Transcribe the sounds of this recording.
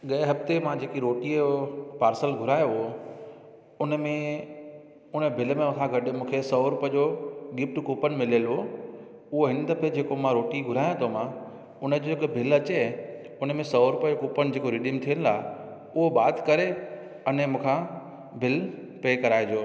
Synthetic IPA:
ɠɐɪɦɐft̪emãd͡ʑeːkiɾoːʈiopaːɾsəlɡʱʊɾaːjoɦo | ʊnəmẽ | ʊnəbʱɪlmẽʊ̃kʰãɡʱɐɗmũːkʰesɐɾʊpəd͡ʑoɡɪp̚ʈkuːpənɪmɪləlɦo | ʊɦoɦɪ̃nd̪əpʰed͡ʑeːkomãɾoːʈiɡʱʊɾaːjõt̪ʰomã | ʊnəd͡ʑoɪkbʱɪlɐt͡ɕe | ʊnmẽsɐɾʊpəd͡ʑokuːpənɪ̆d͡ʑeːkoɾɪɗiəmt̪ʰijənɪ̆laː | ʊɦobaːt̪kɐɾe | ɐnmũːkʰã | bʱɪl | peːkɐɾaːɪd͡ʑoː

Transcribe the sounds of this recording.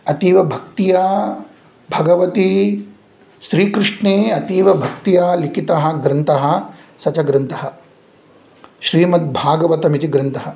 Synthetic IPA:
ɐt̪iːʋɐbʱɐk̚t̪ijaː | bʱɐɡɐʋɐt̪i | ʃɾiːkɾɪʂɳeːɐt̪iːʋɐbʱɐk̚t̪ijaːlikit̪ɐɦɐ̆ɡɾɐnt̪ɐɦɐ̆ | sɐt͡ʃɐɡɾɐnt̪ɐɦɐ̆ | ʃɾiːmɐt̪̚bʱaːɡɐʋɐt̪ɐmit̪iɡɾɨnt̪ɐɦɐ

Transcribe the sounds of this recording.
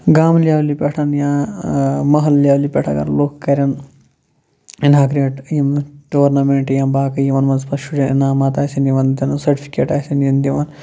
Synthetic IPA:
ɡaːmlijaːwlipʲeʈʰɐnjãː | mɐɦɐlːijaːwlipʲeʈʰɐ̰ɡɐ̰nloːkkːɐɾʲjɐn | inɦaːkɾieʈjimʈoːɾnɐmeɳʈjɐmbaːkjiʋɐnmɐnzpɐʃuɖenaːmaːt̪aːsɐniʋɐnd̪ɐnɐsɐɾʈipʰi̥keːʈaːsɐnjind̪iʋɐn

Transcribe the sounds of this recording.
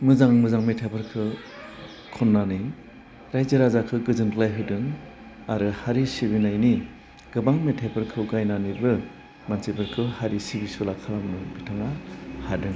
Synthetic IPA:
mɯzaŋmɯzaŋmetʰapʰɯɾkʰɯ | kʰɔnːani | ɾajzɯɾazakʰɯɡɯzɯnkɯlajɦɯdɯŋ | aɾɯhaɾisibinajni | ɡ̥ɯbaŋmetʰapʰɯɾkʰɯɡajnanibɯ | mansebɯɾkʰɯhaɾisibisulakʰalamnɯbitʰaŋahadɯŋ

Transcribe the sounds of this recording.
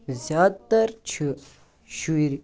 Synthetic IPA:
zjaːd̪t̪ɐɾt͡ʃʰi | ʃuiɾ

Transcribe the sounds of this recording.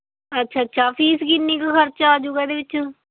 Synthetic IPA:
ətːʃʰaːtːʃʰaːpʰiːskɪnːiːkaxəɾt͡ʃaːd͡ʒuɡɛːd̪eːʋɪt͡ʃ

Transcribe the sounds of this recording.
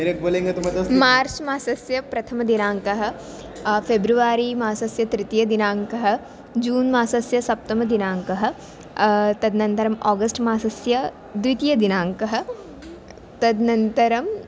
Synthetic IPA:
eɾek̚boːlẽːŋɡɐt̪umɐt̪ɐsmaːɾt͡ʃmaːsɐsjɐpɾɐt̪ʰɐmɐd̪inaːŋkɐɦɐ̆ | feːbɾuʋaːɾimaːsɐsjɐt̪ɾɪt̪ijɐd̪inaːŋkɐɦɐ̆ | d͡ʒuːnmaːsɐsjɐsɐp̚t̪ɐmɐd̪inaːŋkɐɦɐ̆ | t̪ɐd̪nɐ̃nt̪ɐɾɐmɔːɡɐsʈmaːsɐsjɐ | d̪uit̪ijɐd̪inaːŋkɐɦɐ̆ | t̪ɐd̪nɐ̃nt̪ɐɾɐm

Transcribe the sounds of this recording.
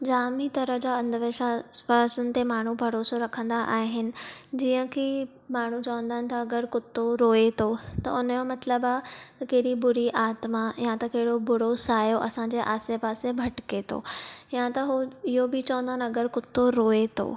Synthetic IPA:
d͡ʑaːmit̪ɐɾə̆ɦd͡ʑaɐ̃nd̪ʋeːʃapaːsənɪ̆t̪emaːɳ̤ubʱɐɾoːsoɾɐkʰə̃nd̪aʔaːɦɪnɪ̆d͡ʑiːə̃kʰe | maːɳ̤ut͡ɕɐʋə̃nd̪aːnɪ̆t̪ʰɐːɡəɾkʊt̪ːoɾoːet̪ʰot̪ɐ̰ʊnjomɐt̪ləbaːt̪ɐkeɦɪɾibʊɾiʔaːt̪majãt̪ɐkɐɦɪɽobʊɽ̤osaːjoʔɐsãɲd͡ʑeːʔaːsepaːsebʱɐʈket̪ʰo̰jãt̪ɐɦuɪɦobɪt͡ɕɐʋə̃nd̪aːnɪɐɡəɾkʊt̪ːoɾoːet̪ʰo̰ː

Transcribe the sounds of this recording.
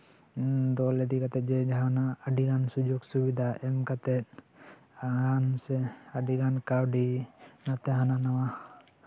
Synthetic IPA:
d̪ɔlɛd̪ikat̪ɛt̪̚ˀd͡ʒɛd͡ʒaɦanaːɖiɡansud͡ʒuɡsubid̪ʱaʔɛmkat̪ɛt̪̚ | aɡansɛaɖiɡankawɖinat̪ɛɦananawa

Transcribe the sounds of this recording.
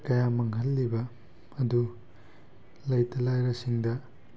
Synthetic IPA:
kɐjamɐŋɦɐlːibɐ | ɐd̪u | lɐjtɐlajɾɐsiŋdɐ

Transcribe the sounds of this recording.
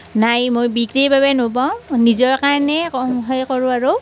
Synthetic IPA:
najmojbikɹiɹbabɛnopaʊ̃nizɔɹkaɹnɛɔɦɔjkɔɹʊ̃aɹo

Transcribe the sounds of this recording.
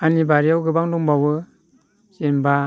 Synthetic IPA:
anibaɾiawɡɯbaŋduŋbawɯ | senba

